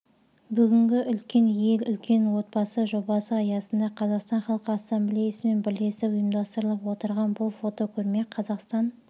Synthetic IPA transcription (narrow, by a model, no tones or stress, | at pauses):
bʏɡʲɪŋɡʲɪʔʏlkʲe̞nje̞lʏlkʲʰe̞nwo̞t̪̚bɑsəʒo̞bɑsəɑjɑsənd̪ɑqʰɑzɑqst̪ɑnχɑlˠqəasːɑmblʲejɑsəme̞nbɪɾleesɪʊjəmd̪ɑst̪əɾəlˠəpwo̞t̪əɾʁɑnbʊlˠfo̞t̪o̞kʲʰɵɾme̞qʰɑzɑqst̪ɑn